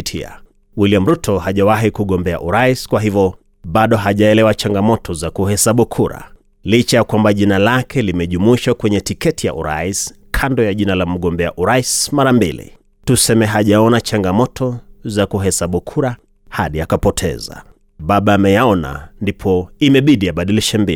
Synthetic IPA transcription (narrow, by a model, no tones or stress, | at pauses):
tʰḭa̰ | wiliam̩ɾutɔhaʄawaɦikuɠɔmbɛa̰ʔuɾaiskwaɦivjɔ | ɓaɗɔɦaʄaɛlɛwat͡ʃaŋɡamɔtʰɔzakuhɛsaɓukʰuɾa̰ | lit͡ʃajakwambaʄinalakʰɛlimɛʄumuiʃakwɛɲɛtikɛtija̰ʔṵɾa̰is | kʰandɔjaʄinalam̩ɠɔmbɛa̰ʔuɾaismaɾambilḭ | tusɛmɛɦaʄaɔnat͡ʃaŋɡamɔtʰɔzakuɦɛsaɓukʰuɾa | haɗiakapɔtʰɛ̰za̰ | ɓaɓaːmɛjaɔna̰ndipʰɔimɛɓiɗijaɓaɗiliʃɛmbi